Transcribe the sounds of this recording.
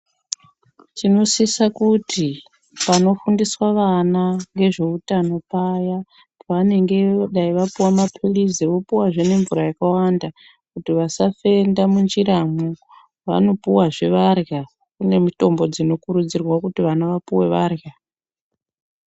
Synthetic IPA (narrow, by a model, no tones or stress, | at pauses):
t͡ʃino̞sisakuti | pano̞fundiswaʋanaŋɡe̞ʐe̞utano̞paja | paʋane̞ŋɡe̞ɗaiʋapuwamapʰiliziʋo̞puwaʐene̞ɱvuɾajakawanda | kutiʋasafe̞ndamund͡ʒiɾamu | ʋa̰no̞puwaʐeʋarja | kune̞mito̞mbo̞d͡zino̞kuɾud͡zirwakutiʋanaʋapuwe̞ʋarja